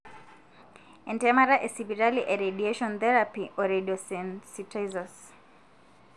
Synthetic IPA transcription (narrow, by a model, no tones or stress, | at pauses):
ɛntɛmaɾaʔɛsibiɾaliʔɛɾediɛʃɔ̃nθɛɾapiʔɔɾɛdiɔsɛnsitazɔs